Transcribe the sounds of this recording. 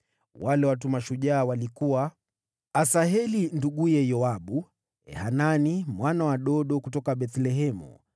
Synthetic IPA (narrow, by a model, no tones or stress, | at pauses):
walɛwat̬umaʃuʄaːwalikuwa | asaɦɛlinduɠujɛjɔaɓu | ɛ̰hananimwanawaɗɔɗɔkutɔkaɓɛθlɛɦɛmṵ